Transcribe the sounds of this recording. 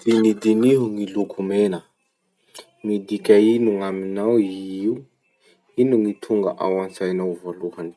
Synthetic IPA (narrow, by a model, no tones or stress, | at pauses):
d̪̥inid̪iniɦuŋilukʰumenə | mid̪ikʲainuŋaminawiiw | inuŋit̪ʰuŋɡə̰ʔa̰want͡sajnawvoluɦani̥